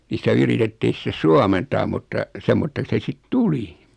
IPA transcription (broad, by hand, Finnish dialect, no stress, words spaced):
ni sĭtæ yritetːiːn̞ sĭtes suɑmentɑːm mutːɑ semːotːeks se sit tuli